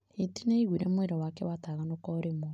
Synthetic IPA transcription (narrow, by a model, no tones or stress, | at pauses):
itineiɣwiɾemweɾɔwakɛwataɣanokɔɾemo